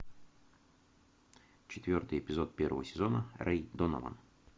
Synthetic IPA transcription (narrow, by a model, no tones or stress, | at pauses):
t͡ɕɪt̪vʲo̞rt̪ɨjɪpʲɪzot̪̚pʲervəvəsʲɪzonərʔɛjd̪ono̰və̰n